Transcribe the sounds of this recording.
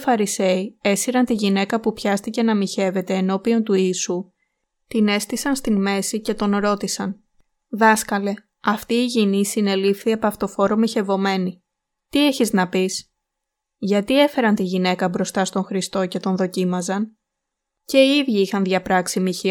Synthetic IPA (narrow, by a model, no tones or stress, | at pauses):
fɐɾise̞ie̞siɾɐnt̪iʝine̞kɐpupçɐst̪ice̞nɐmiçe̞ve̞t̪e̞ːno̞pio̞nt̪uiːsu | t̪ine̞st̪isɐnst̪inme̞sice̞t̪o̞nɾo̞t̪isɐn | ðɐskɐle̞ | ɐft̪iːʝinisine̞lifθiɐpɐft̪o̞fo̞ɾo̞miçe̞vo̞me̞ni | t̪ie̞çiznɐpis | ʝɐt̪ie̞fe̞ɾɐnt̪iʝine̞kɐbɾo̞st̪ɐst̪o̞ŋxɾist̪o̞ce̞t̪o̞nðo̞cimɐzɐn | ce̞iiðʝiixɐnðʝɐpɾɐksimiçi